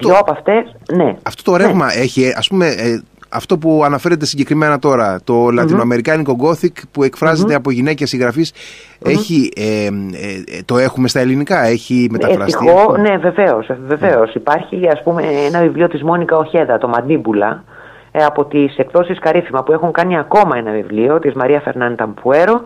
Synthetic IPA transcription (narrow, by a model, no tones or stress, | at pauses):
t̪oɐpɐft̪esne̞ɐft̪o̞t̪oɾevmɐe̞çieɐ̰spume̞ɐ̰ft̪o̞p̬uɐnɐfe̞ɾe̞t̪̬esiɲɟe̞kɾime̞nɐt̪o̞ɾɐt̪o̞lɐt̪inoɐme̞ɾikɐniko̞ɡo̞θikpue̞kfɾɐze̞t̪e̞ɐpo̞ʝine̞ce̞siɣɾɐfis | eçie | t̪o̞e̞xume̞st̪ɐe̞linikɐe̞çime̞t̪ɐefɾɐsixione̞ve̞ve̞o̞sve̞ve̞o̞sipɐɾçiɐspume̞enɐvivlio̞t̪izmo̞nikɐo̞çe̞ðɐt̪o̞mɐd̪nibulɐ̰ | ɐpo̞t̪ise̞kθo̞siskɐɾifimɐpue̞xuŋkɐniɐko̞mɐenɐvivlio̞t̪izmɐɾiɐfe̞ɾnɐnt̪ɐmpue̞ɾo̞